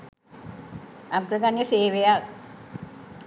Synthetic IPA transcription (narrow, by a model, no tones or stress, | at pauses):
aɡɾəɡanjəseːʋeja